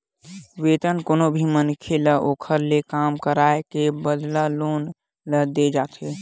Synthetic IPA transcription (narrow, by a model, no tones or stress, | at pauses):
ʋet̪ənkonobʱimənkʰeləʔokʰəɾlekamkəɾaekebəd̪lalon | ləd̪ed͡ʒat̪ʰe